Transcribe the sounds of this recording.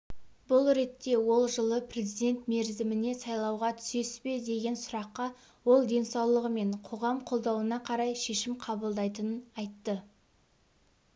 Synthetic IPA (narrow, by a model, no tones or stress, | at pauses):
bʊlˠɾe̞t̪ːe̞wo̞lˠʒəlˠəpʰrʲe̞zijd̪e̞nt̪me̞ɾzɪmɪne̞sɑjlˠɑwʁɑt̪ʰʏ̥se̞spe̞d̪e̞ɡʲe̞nsʊɾɑqːɑ | wo̞lˠd̪e̞nsɑwlˠəʁəme̞ɴqʰo̞ʁɑmqʰo̞lˠd̪ɑwənɑqʰɑɾɑjʃe̞ʃɪmqʰɑbəlˠd̪ɑjt̪ənənɑjt̪ːə